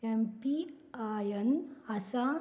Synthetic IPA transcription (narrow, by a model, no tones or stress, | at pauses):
ɛmpi | ajənasa